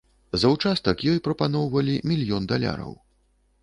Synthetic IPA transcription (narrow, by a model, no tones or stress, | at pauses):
zɐwt͡ʂast̪ɐkjɔjpɾɐpanɔwvɐlʲimʲilʲjɔnd̪alʲa̰ɾɐ̰w